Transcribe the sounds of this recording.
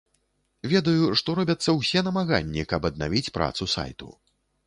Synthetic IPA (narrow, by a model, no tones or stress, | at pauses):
vʲɛd̪ɐjuʂt̪ɔɾɔbʲɐt̪sːɐwsʲɛnɐmaɣa̰nʲːikɐbɐd̪̚na̰vʲit͡sʲpɾa̰t̪susa̰jt̪ṵ